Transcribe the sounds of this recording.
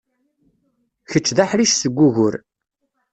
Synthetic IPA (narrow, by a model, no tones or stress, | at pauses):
çət͡ʃːðaħɾiʃsəɡʷːuʝʊɾ